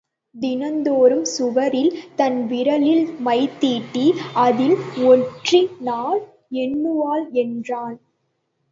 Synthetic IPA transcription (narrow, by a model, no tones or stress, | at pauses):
d̪ɪnɐnd̪oːɾɯmsʊʋɐɾɪlt̪ɐnʋɪɾɐlɪlmɐɪt̪ːiːʈːiɐðɪlɔʈrinaːl | ɛnːɯʋaːlɛndraːn